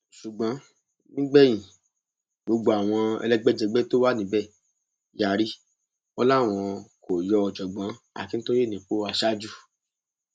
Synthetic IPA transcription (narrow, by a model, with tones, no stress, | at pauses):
ʃu˨ɡ͡bã˨˦ | nĩ˦ɡ͡bɛ˦j̃ĩ˨ | ɡ͡bo˧ɡ͡bo˧a˨w̃ɔ̃˧ɛ̰˧lɛ˦ɡ͡bɛ˦d͡ʒɛ˧ɡ͡bɛ˦to˦wa˦nĩ˧˦bɛ˦˨ | ja˨ɾi˦ | ɔ˧la˦˨w̃ɔ̃˧ko˨jɔ˧˦ɔ˧d͡ʒɔ˨ɡ͡bã˨˦ | a̰˨ki˨˦n̩ĩ˦to˦ɾi˦˨nĩ˨k͡po˦a˧ʃa˦d͡ʒu˦˨